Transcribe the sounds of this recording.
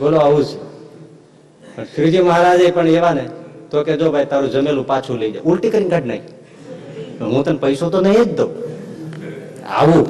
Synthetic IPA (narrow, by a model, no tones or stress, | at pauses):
ɡoloaud͡ʒʰ | pəɳpʰɪɾd͡ʒiməɦaɾad͡ʒaipəɳeʋanet̪oked͡ʒobʱait̪aːɾũd͡ʒəmelũpat͡ʃʰuleid͡ʒa̰jʊlʈikəɾinkəʈna̰ĩ | pəɦũt̪ənpəjsot̪onəĩed͡ʒd̪o | a̰ʋuː